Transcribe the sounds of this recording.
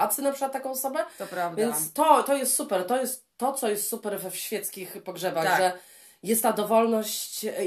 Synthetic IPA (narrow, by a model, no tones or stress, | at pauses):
ʔat̪sɘnapʂɨkwat̪ːakɔ̃w̃ɔsɔbɛt̪ɔpɾavdvʲjɛnt̪st̪ɔt̪ɔjɛst̪supɛɾt̪ɔjɛst̪ːɔt̪sɔjɛst̪supɛɾvfɕfʲjɛt̪skʲixpɔɡʐɛbaɣʐɛ | jɛst̪ːad̪ɔvɔlnɔɕt͡ɕ